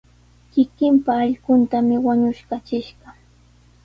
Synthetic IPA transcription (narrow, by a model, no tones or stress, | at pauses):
kɪkɪmpaːʎɢʊnt̪amɪwaɲʊʃkat͡ʃɪʃɢɑ